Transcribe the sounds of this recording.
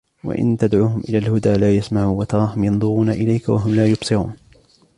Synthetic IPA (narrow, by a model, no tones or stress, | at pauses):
wa̰ʔɪ̰nt̪ad̪ʕuːɦʊmʔɪlaːlhʊd̪aːlaːjasmaʕuːnwat̪ɑɾˤɑːɦʊmjɑnd̪ˤʊɾuːnaʔɪlajkawa̰ɦʊmlaːjʊbsˤɨɾuːn